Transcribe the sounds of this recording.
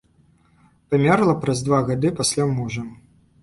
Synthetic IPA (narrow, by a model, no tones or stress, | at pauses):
pamʲɛrlˠɐpɾɐzd̪vaɣad̪ɨpasʲlʲamuʐɐm